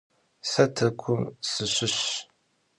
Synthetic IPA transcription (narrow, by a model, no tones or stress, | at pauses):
sɐtʰɐkʷʰʊmsɨɕɪɕ